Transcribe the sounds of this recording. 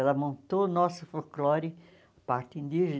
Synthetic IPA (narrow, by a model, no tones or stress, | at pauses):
ɛlɐmõnt̪onɔsɐfolklɔɾɪ | ɐpaɾt̪ĩnd̪iʒɪ